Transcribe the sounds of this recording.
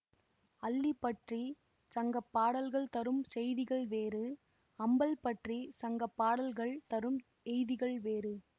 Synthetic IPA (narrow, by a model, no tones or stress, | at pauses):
ɐlːipːɐʈri | sɐŋɡɐpːaːɽɐlɣɐɭt̪ɐɾɯmsɛjðɪɣɐɭʋeːɾɯ | ɐmbɐlpɐʈrisɐŋɡɐpːaːɽɐlɣɐɭt̪ɐɾɯm | ɛjðɪɣɐɭʋeːɾɯ